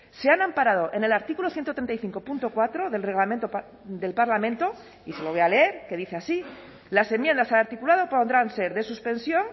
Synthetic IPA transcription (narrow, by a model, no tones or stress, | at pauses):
se̞anãmpaɾað̞o̞ʔe̞ne̞laɾt̪ikuloθjent̪ot̪ɾent̪ajθiŋkopunt̪o̞kwat̪ɾo̞ðelre̞ɣlament̪op | d̪elpaɾlamẽ̞nt̪o̞ | ise̞lo̞βejale̞e̞ɾke̞ðiθeasi | lase̞mjend̪asalaɾt̪ikulaðo̞pond̪ɾanse̞ɾðe̞suspẽ̞nsjo̞ŋ